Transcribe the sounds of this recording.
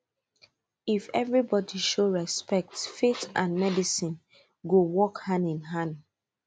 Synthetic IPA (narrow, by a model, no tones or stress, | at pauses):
ifɛvɹibɔdiʃoɹɛspɛk̚tfetãnmɛdisĩn | ɡowɔkhãnĩnɦãn